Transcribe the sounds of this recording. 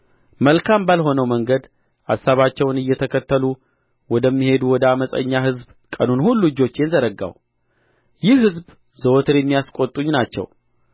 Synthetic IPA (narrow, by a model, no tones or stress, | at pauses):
məlkʰambalho̞nəwməŋɡəd̪ | ʔa̰sːaβat͡ʃːɛwnɨjːɛt̪ʰəkʰət̪ːəlu | wɔd̪əmːihe̞d̪uwɔd̪əaməsʼə̰ɲːaɦɨzb | kʼənunhulːuɨd͡ʒo̞t͡ʃːjɛnzəɾəɡːa̰w | jɪhhɨzb | zəwot̪ʰɨɾjɛmːijaskʼo̞t̪ʼːuɲnat͡ʃːɛ̰w